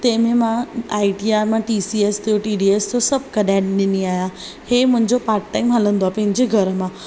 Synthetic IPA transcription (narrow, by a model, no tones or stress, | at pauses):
t̪ɛ̃ːmẽmãaːiʈiaːɾmãʈisieːst̪ʰijoʈiːɖiesd͡ʑosɐb̚ʱkɐɗaɪ̃ɗɪniaːja | heːmʊ̃ɦɪ̃ɲd͡ʑopaːɾʈʈaːɪmɦalə̃nd̪oaːpɐ̃ɦɪ̃ɲd͡ʑeɡʱɐɾəmã